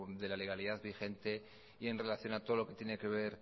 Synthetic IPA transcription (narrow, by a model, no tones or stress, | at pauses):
d̪e̞lale̞ɣaliðaðβixe̞nt̪e̞ | ie̞nre̞laθjo̞nat̪o̞ð̞olo̞ke̞t̪je̞ne̞ke̞β̞eɾ